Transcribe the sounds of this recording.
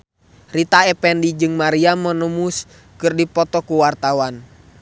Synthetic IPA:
rit̪aɛpɛndid͡ʒɨŋmaɾiamːənumus | kɨrdipɔt̪ɔkuwart̪awan

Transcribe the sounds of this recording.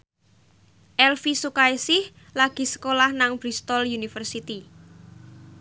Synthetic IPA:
ʔɛlfisukaisɪh | laɡ̥i̤sə̥kolahnaŋb̥ɾist̪ɔljunifərsit̪i

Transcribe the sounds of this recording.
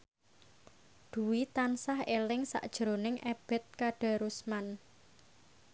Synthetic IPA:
d̪̥ṳwit̪ansahelɪŋsa̰ʔd̥ʒ̥əɾonɪŋʔeb̥ɛ̤t̪̚kaɖ̥a̤ɾusman

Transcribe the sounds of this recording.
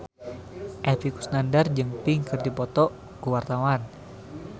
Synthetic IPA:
ʔɛfiku̥snandard͡ʒɨŋpiŋkɨrdipɔt̪ɔ | kuwart̪awan

